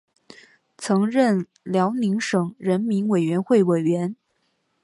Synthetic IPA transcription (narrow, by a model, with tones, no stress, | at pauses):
t͡sʰɤ˧˥ŋɻə˥˩n | ljɑ˧˥ʊni˧˥ŋʂɤ˨˩ŋɻə˧˥nmi˧˥nwe˨˩ɪɥɛ˧˥nxwe˥˩ɪwe˨˩ɪɥɛ˧˥n